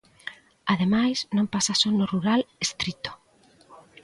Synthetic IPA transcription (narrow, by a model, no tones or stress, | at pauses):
aðemajsnõmpasasonoruɾalest̪ɾit̪o̥